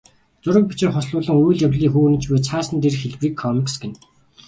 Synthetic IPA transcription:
t͡sʊɾə̆k̚pi̥t͡ɕɪ̆ːŋχɔsɮʊːɮə̆ŋujɮjawɮiːŋxuːnɘ̆t͡ɕpeːt͡sʰaːsə̆nt̪erxeɮpriːkʰːɔmiksɡĕn

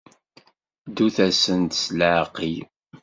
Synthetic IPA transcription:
d̪uθæsənt̪sləʕqij

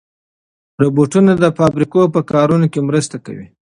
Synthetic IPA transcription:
ɾoboʈunad̪əfɑbɾikopəkɑɾunokemɾəst̪aka̰wḭ

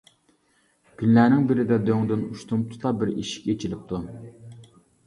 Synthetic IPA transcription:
kʲʰynlænɪŋbɪɾɪd̪ɛd̪øŋd̪ɪnuʃt̪umt̪ʰu̥t̪ˠɑbɪɾḭʃi̥kʲet͡ʃʰilɪp̚t̪ʰu

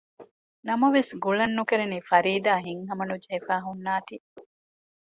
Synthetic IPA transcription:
nɐmɐʋesɡuɭɐnːukeɾeniːfɐɾiːd̪aːɦiŋɦɐmɐnud͡ʒeːfæːɦunːaːt̪i

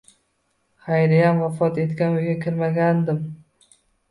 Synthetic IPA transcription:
χajɾɪjamvafɒt̪e̞t̪kʲanojɡʲakʲʰɪɾmaɡʲand̪ɪm

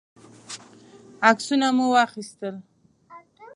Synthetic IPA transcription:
aksunamuwɑxist̪əl

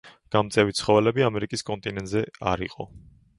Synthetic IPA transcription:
ɡ̥amt̪sʼɛvit̪sʰχɔvɛlɛbiamɛɾikʼiskʼɔnt̪ʼinɛnt̪ʼzɛaɾḭqʼɔ̰

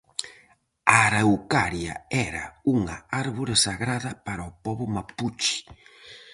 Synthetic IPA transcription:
aɾawkaɾja̰ɛɾa̰uŋaaɾβoɾesaɣɾaðɐpaɾaopɔβʊmaput͡ʃi̥

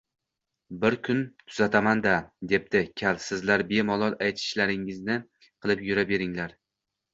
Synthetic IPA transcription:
bɪɾkʰʊnt̪ʰʊz̥at̪ʰamand̪ad̪e̞p̚d̪ɪkʲʰalsɪzlaɾbe̞mɒlˠɒlˠajt̪ʰɪ̥ʃlaɾɪŋɪznɪ | qʰɨlˠɪpjʊɾabe̞ɾɪŋlaɾ

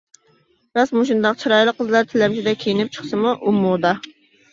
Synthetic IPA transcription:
ɾɑsmuʃund̪ɑq̚t͡ʃʰiɾɑjlˠəqʰːəzlˠɑɾt̪ʰɪlɛmʃid̪ɛkʲʰejinɪp̚t͡ʃʰə̥χsɨmuʔumːud̪ɑ

